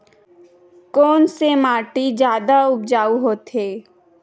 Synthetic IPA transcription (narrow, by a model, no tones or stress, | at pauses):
kɔːnsemaːʈid͡ʒjaːd̪aʊp̚d͡ʒaːuɦoːt̪ɦeː